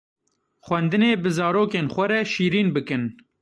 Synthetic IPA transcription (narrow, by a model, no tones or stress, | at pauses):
xʷwɛnd̪ɨneːbɨzɑːɾoːkeːnxʷɛɾɛʃiːɾiːnbɨkɨn